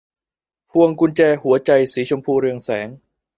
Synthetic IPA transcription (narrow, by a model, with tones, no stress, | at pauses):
pʰu˧əŋku˧nt͡ɕɛː˧hu˩˦ɐt͡ɕa˧jsiː˩˦t͡ɕʰo˧mpʰuː˧ɾɯ˧əŋsɛː˩˦ŋ